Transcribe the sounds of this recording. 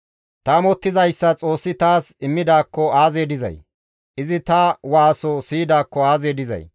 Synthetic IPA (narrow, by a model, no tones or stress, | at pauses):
t̪ɐmɔt̪ːɪzɐjsːɐt͡sʼo̞ːsːɪt̪aːsɪmːɪd̪aːkːɔaːzeːd̪ɪzɐ̰j | ʔɪzɪt̪ɐwaːsosiːd̪aːkːɔaːze̞ːd̪ɪzɐ̰j